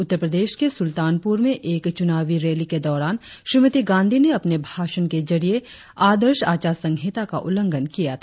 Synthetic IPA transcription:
ʊt̪ːəɾpɾəd̪eːʃkesʊlt̪aːnpuɾmẽʔeːkt͡ʃʊnaːʋiɾeːliked̪ɔːɾaːnʃɾimət̪iɡãːnd̪ʱineɐpnebʱaːʃənked͡ʒɐɾie | aːd̪əɾʃaːt͡ʃaːsɐ̃ŋɡʱeːt̪aka̰ʔʊ̰lə̃ŋɡənkijat̪ʰa

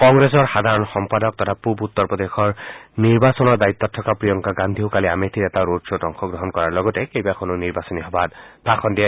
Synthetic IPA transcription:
kɔŋɡɹes̬ɔɹxad̪ʱaɹɔnxɔmpadɔk̚tɔtʰapubut̪ːɔɹpɔd̪exɔɹniɹbasɔnɔɹdait̪ːɔtʰːɔkapɹijɔŋkaɡand̪ʱiɦokaliametʰiɹɛtaɹodsɔtɔŋxʰɔɡɹɔɦɔnkɔɹaɹlɔɡɔtɛkejbakʰɔnuniɹbasɔniɦɔbatbʱaxʰɔndija

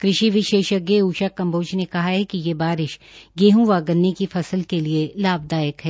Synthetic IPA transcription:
kɾɪʃiʋɪʃeːʃəɡeːuːʃakːɐ̃mboːt͡ʃnekɐɦaɦɛkijebaːɾɪʃɡeːɦũʋaːɡənːekifɐsəlkelielaːb̚d̪aːjəkɦɛː

